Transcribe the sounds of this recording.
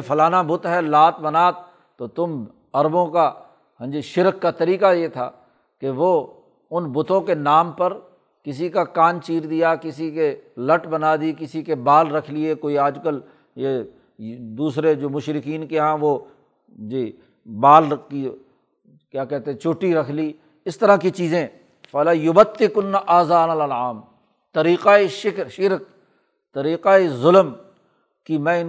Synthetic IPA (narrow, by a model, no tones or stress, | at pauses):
fʰɐlaːnabʊt̪ɦɛlaːt̪̚bɐnaːt̪ː | ot̪ʊm | ɐɾbõka | ɦɐ̃d͡ʒiʃɪɾkːat̪ɐɾiːkajet̪ʰa̰ː | keʋoː | ʊnbʊt̪õkenaːmpɐɾ | kɪsikakaːnt͡ʃiːɾd̪ijakɪsikelɐʈbɐnaːd̪ikɪsikebaːlɾɐkʰliekoːiaːd͡ʒkəl | je | d̪uːsɾed͡ʒoːmʊʃɾɪkiːnkeɦãːʋoː | d͡ʒiː | baːli | kjaːkɛɦt̪eɛ̃t͡ʃʊːʈːiɾɐkʰliː | ɪst̪ɐɾãkit͡ʃiːzẽː | fɐlajʊbət̪ːɪkʊnːaʔaːzaːnɐlɐlaːm | t̪ɐɾiːqaeʃɪʃɪɾk̚ | t̪ɐɾiːqaezʊləm | kimɛ̃ːɪ